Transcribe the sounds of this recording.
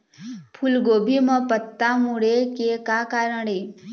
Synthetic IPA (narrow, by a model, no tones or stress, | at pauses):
pʰulɡoːbʱimə̃pət̪ːamuɽekekaːkaːɾəɽe